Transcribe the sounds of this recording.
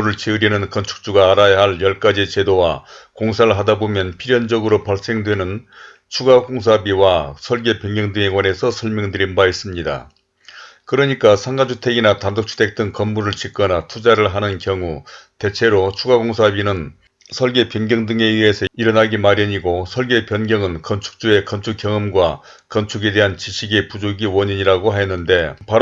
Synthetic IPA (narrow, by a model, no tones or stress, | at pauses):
uɾɯɭt͡ɕeɯɾinɯnkʌnt͡ɕʰu̥k̚t͡ɕ͈uɡaːɾajaɦaɭjʌɭk͈ad͡ʑit͡ɕe̞dowakoŋsʰaɯɭɦadabomjʌnpʰiɾjʌnd͡ʑʌɡɯɾopaɭs͈e̞ŋdwenɯn | t͡ɕʰuɡaɡoŋsʰabiwasʰʌɭɡe̞pjʌŋɡjʌŋdɯŋe̞ɡwane̞sʰʌsʰʌɭmjʌŋdɯɾinbais͈ɯmɲida̰ | kɯɾʌɲik͈asʰaŋɡad͡ʑʰutʰe̞ɡinatandok̚t͡ɕʰu̥tʰek̚t͈ɯŋkʌmmuɾɯɭt͡ɕik͈ʌnatʰud͡ʑaɾɯɭɦanɯnkjʌŋute̞t͡ɕʰe̞ɾot͡ɕʰuɡaɡoŋsʰabinɯn | sʰʌɭɡe̞pjʌnɡjʌŋdɯŋe̞iɦe̞sʰʌiɾʌnaɡimaɾjʌɲiɡosʰʌɭɡe̞pjʌnɡjʌŋɯnkʌnt͡ɕʰu̥k̚t͡ɕ͈ue̞kʌnt͡ɕʰuk͈jʌŋɯmɡwa | kʌnt͡ɕʰuɡe̞de̞ɦant͡ɕiɕʰiɡe̞pud͡ʑoɡiwʌɲiɲiɾaɡoɦajʌnːɯnde̞pa